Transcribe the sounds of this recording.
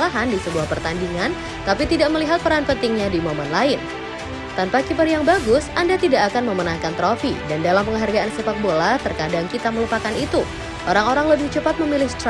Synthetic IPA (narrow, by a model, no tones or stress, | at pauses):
laɦandisəbuahpərt̪andiŋan | t̪apit̪idaʔ̚məliɦat̪̚pəɾanpənt̪ɪŋɲadimomɔnlaɪn | t̪anpakipərjaŋbaɡʊsʔandat̪idaʔːkanməmənahkant̪ɾofidandalampəŋɦarɡaʔansəpak̪̚bolat̪ərkadaŋkit̪aməlupakanit̪u | ʔoɾaŋoɾaŋləbɪht͡ʃəpat̪̚məmilɪhst̪